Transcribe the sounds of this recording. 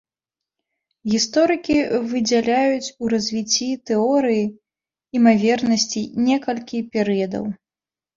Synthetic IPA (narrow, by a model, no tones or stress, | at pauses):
ɣʲist̪ɔɾɨkʲivɨd͡zʲalʲajut͡sʲuɾɐzʲvʲit͡sʲːit̪ɛɔɾɨji | imavʲɛrnɐsʲt͡sʲinʲɛkɐlʲkʲipʲɛɾɨjɐd̪ɐ̰w